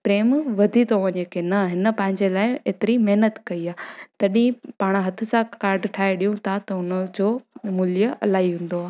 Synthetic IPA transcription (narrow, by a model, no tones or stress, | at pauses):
pɾeːmʋɐd̪ʱit̪ʰoʋɐɲəkʰenɐɦɪnə̆pɐ̃ɦɪ̃ɲd͡ʑelaːɪeːt̪ɪɾimɐɦnət̪kɐiaːt̪ɐɗĩpaːɽ̃ɦɐt̪ʰɪ̆sãkaːɾɖʈʰaːɦeɗijũt̪ʰat̪ɐʊnəd͡ʑoːmʊljəʔɐ̰laːiɦũːn̆d̪oaː